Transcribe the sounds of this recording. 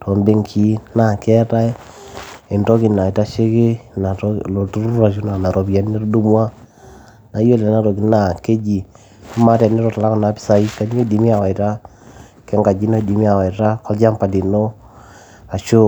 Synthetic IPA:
tʰo˨mbe˦ŋkʰi˦na˨kɛ˦ta˦e˦ | i˨ntɔ˦ki˨na˨i˨ta˦ʃe˦ke˦na˨tlo˨tu˦ɾu˦a˨t͡ʃu˦na˨na˨ɾo˨bja˨˦ne˦ɾo˦du˦mwa˦ | na˨jo˦le˨na˦ɾɔ˨ɡi˨˦na˨ke˦d͡ʒi˨ | ɔ˦ma˦tɛ˨ne˦ɾɔ˨ta˨la˦kɔ˨na˨˦pi̥˦sa˨i˦ka˦ɲ˦o˦˨di˨mi˦a˨wa˨i˨ta˦ | kɛ˦ŋɡa˨d͡ʒi˦na˦˨di˨mi˦a˨wa˨i˨ta˦kɔ˦ld͡ʒa˦mpa˨di˨no˦ | a˨t͡ʃo˦

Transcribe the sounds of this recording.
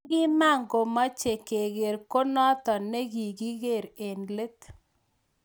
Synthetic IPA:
ɡɪ˦ma˦˨ŋɡo˨ma˦t͡ʃe˨ke˨ɣe˨ɾko˦nɔ˦t̪ɔ˨nɛ˦ɣi˨ɡi˦ɣe˦˨ɾe˨nle˦t̪

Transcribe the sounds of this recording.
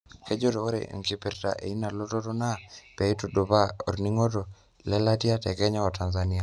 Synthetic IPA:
ke˦d͡ʒo˦to˨ko˦ɾḛ˨ŋki˨pi˨ɾta̰˨ʔḛ˨i˦na˨lo˦to˦to˦na˦pɛ˨i˦to˨do˨pa˦o̰˨ɾni˦ŋo˦to˨ | lɛ˦la˦ti˦a˦tɛ˨kɛ˦ɲa˦ɔ˨ta˨nzani˦a˨

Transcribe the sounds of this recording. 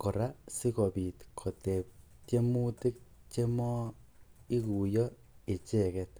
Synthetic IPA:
ko˨ɾa˦si˦kɔ˨bi˨tkʰo˨te˨p̚ | te˦mu˦ti˦k̚ | t͡ʃe˦mɔ˦ | i˦ku˨jɔ˦ | e˨t͡ʃe˦kɛt̚

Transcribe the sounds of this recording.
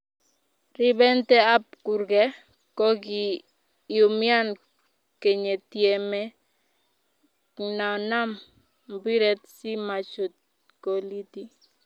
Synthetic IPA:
rɪ˦bɛ˦nt̪ɛ˦a˦p̚ku˨ɾɡɛ˦ | kɔ˦ɡi˨ | ju˨mɪ˦a˦n | ke˨ɲe˨t̪je˨me˦ | na˨na˦m | mbi˦ɾɛ˦t̪si˦ma˨t͡ʃo˨t̪ | ko˨li˦t̪i˦

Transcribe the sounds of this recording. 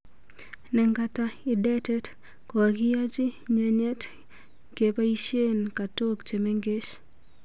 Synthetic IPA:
nɛ˨ŋɡata˦ɪ˨dɛ˦tɛ˦t | kwa˨ki˦ja˦t͡ʃi˦ɲɛɲɛ˦t | ke˨pa˦i˦ʃe˦nka˨to˦kt͡ʃe˨me˦ŋɡe˦t͡ʃ

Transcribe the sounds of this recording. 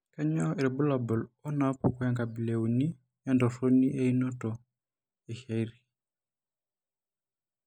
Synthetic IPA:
ka˦ɲɔ˦e˨ɾɛ˨bu˦la˨bɔ˨lɔ˦na˨pɔ˨kɔ˦ja˦ŋɡa˨bi˨le˨u˨ni˦ | ja˦ndɔ˨so˦ni˦ʔe˦i˦nɔ˦tɔ˨ | ɛ˨ʃa˦iɾi˨

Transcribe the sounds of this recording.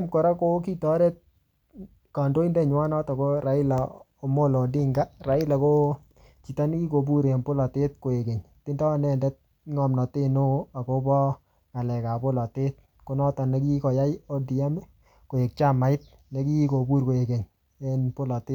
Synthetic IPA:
mkɔ˨ɾa˦ko˦ki˦tɔ˦ɾe˦t̚ | kɔ˨ndo˦i˦nde˦ɲwa˦nɔ˦tɔ˨ko˦ɾa˨ɪ˦la˨ | o˨mo˦lo˨di˦ŋɡa˦ra˨ɪ˦la˨ko˦ | t͡ʃi˨ta˦n˦ki˦ko˨bu˦ɾe˨npʊ˦lɔ˨te˦t̚ko˨e˨ke˨ɲ | ti˦ndɔ˦nɛ˦˨ndɛ˦t̚ | ŋɔ˨mnɔ˨te˦no˦a˨ko˦bɔ˦ | ŋa˨lɛ˨ka˨pʊ˦lɔ˨te˦t̚ | ko˨˦nɔ˦tɔ˨ne˦ki˦ko˨ja˦jo˦di˨a˦me˦ | ko˨e˨k̚t͡ʃa˦ma˨ɪ˦t̚ | ne˨˦ki˦ko˨bu˦ɾko˨e˨ke˨ɲ | e˦npʊ˦lɔ˨te˦

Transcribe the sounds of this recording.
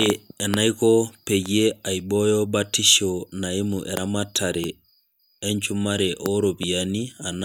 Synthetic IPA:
ɛ˨na˦iko˦pe˨ɟe˦a˨i˨bɔ˦jɔ˦ba˦ti˦ʃona˨i˦muʔɛ˨ɾʔa˦matʰaɾeː˨˦ | ɲt͡ʃu˦maɾeʔo˦ɾo˨bi˨ani˦a˨n

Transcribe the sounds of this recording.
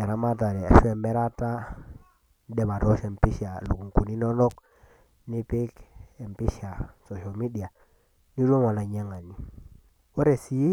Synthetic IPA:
e˨ɾa˦ma˦t̬a˨ɾe˨e˨fe˨mbe˦ɾa˦ta˦ | de˨ba˨to˦se˨mpi˦ʃi˦a˨lṵ˨ku˨ŋku˨ni˦no˦no˦k̚ | ni˦pi˦ke˨mpi˦ʃa˨so˨ʃo˨mi˦di˨a˨ | ni˦ɾo˦mo˨la˨ɲe˦ŋa˨ni˨ | o˦ɾe˨si˦i˦

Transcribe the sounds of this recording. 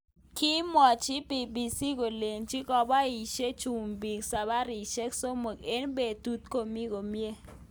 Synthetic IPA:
ki˦mɔ˨t͡ʃi˦bi˨bi˨si˦ko˨le˨nt͡ʃi˦kɔ˨ba˦i˨ʃe˦t͡ʃu˨mbi˨ksa˨ba˦ɾi˨ʃe˦kso˦mo˨ke˦nbe˨tu˦t̚ko˨mi˦ɡo˨mje˦

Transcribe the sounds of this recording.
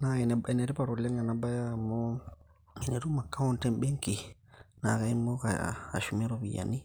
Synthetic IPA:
na˨ɛ˨nɛ˨bɛ˨ne˨ɾi˦pa˨ɾo˨lɛ˦ŋa˨na˦ba˦ja˦˨mo˦ | ɛ˨ne˨ɾu˦ma˨kːa˦wo˦ntɛ˦mbe˦ŋki˨ | na˨ka˨˦i˦mo˦ka̰ː˨ʃu˨mɛ˦ɾo˦bḭ˨ja̰˨ni˦

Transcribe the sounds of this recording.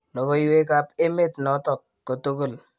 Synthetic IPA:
lo˨ko˦i˦we˦ka˦pe˦me˦˨tnɔ˨˦tɔ˨kːo˨to˦ko˦˨l

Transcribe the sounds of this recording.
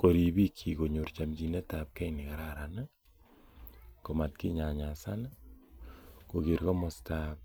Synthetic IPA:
ko˨ɾi˨bi˦kʰːi˨ko˨ɲu˨ɾt͡ʃa˨md͡ʒi˨ne˦ta˨p̚kɛ˦jni˨ka˨ɾa˦ɾa˨n˦ | ko˨ma˨tki˦ɲa˨ɲa˨sa˦n˦ | ko˨ɡi˨ɾko˦mɔ˨stap̚

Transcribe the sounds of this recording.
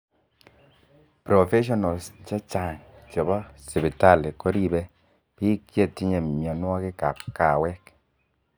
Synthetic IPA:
pɾo˨fe˦ʃ̬ɔ˦nɔ˨st͡ʃa˦t͡ʃa˨ŋt͡ʃɔ˨bɔ˦si˨pi˨ta˦˨li˨ko˦ɾi˦bɛ˦ | pi˦ke˦ti˦ɲe˨mi˨ɔ˨nwɔ˦kɪ˦ka˨p̚ka˨wɛ˦k

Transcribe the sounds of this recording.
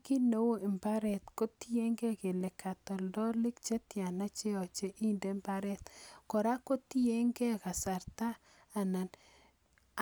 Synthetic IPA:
ki˦no˦wo˦ɪ˨mba˦ɾɛ˨t̪ko˦ti˦je˦ŋɡɛ˦ke˨le˨kʰa˨tɔ˨ldɔ˦lɪ˦kt͡ʃe˦tja˨na˦t͡ʃe˦ɔ˨t͡ʃe˦ʔi˦nde˦mba˦ɾɛ˦t̪kɔ˨ɾa˦ko˦ti˦je˦ŋɡe˦ka˨sa˨ɾtaː˦˨ | na˨n

